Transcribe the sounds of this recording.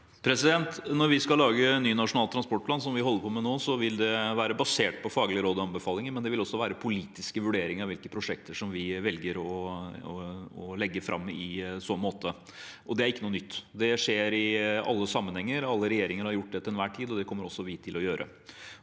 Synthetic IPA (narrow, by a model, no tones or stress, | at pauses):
pʰɾɛsɪd̪ɛnt̪nɔɾʋɪskɑlɑːɡənːyːnɑʂʊnɑːlt̪ʰɾɑnspɔʈ̚plɑns̬ɔmʋɪɦɔlːəɾpʰɔːmɛnoːsɔʋɪld̪ɛʋæːɾəbɑseːʈ̚pʰɔfɑːɡlɪəɾoːd̪ɔɑnbəfɑːlɪŋəɾmɛnd̪ɛʋɪlɔsːɔʋæːɾəpʰʊliːt̪ɪskəʋʉɖeːɾɪŋɑʋɪlkəpʰɾʊʂɛk̚t̪əʂɔmʋɪʋɛlɡəɾɔ | ɔlɛɡːəfɾʔɑ̰mːɪsɔnmoːt̪ə | ʔɔd̪ɛæɾɪkːənuːənʏt̪ːd̪ɛʂeːɾɪɑ̰lːəsɑmːənhɛŋːəɾɑlːəɾɛjeːɾɪŋəɾhɑɾjʊʈ̚ːd̪ɛt̪ɪlɛnʋæːʈʰiːd̪ɔd̪ɛkʰɔmːəɾɔsːɔʋɪt̪ʰɪlɔjøːɾʔə̰